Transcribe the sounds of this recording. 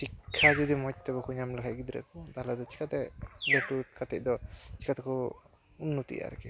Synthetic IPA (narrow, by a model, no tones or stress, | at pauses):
sikʰːad͡ʒud̪imɔc̚t̪ɛbɔkɔɲamlakʰacɡid̪ɾɛ̰kɔd̪aɦlad̪ɔt͡ʃʰi̥kat̪ɛlɔʈukat̪ɛc̚d̪ɔt͡ʃʰi̥kat̪ɛkɔ | unːut̪ḭja̰ɾɛ̰kɛ